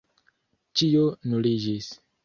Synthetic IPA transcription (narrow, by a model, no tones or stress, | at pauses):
t͡ʃionulid͡ʒis